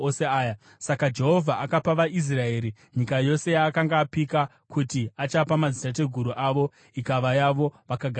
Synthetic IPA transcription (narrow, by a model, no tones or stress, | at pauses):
oseaːja | sakad͡ʒe̞ɦo̞vʱaʔakapaʋaʔis̬rae̞ːɾi | ɲikajo̞se̞jaːkaŋɡaːpika | kutiat͡ʃapamazitat̬e̞ɡʱuɾuʔaʋo̞ | ikaʋajaʋo̞ʋakaɡʱ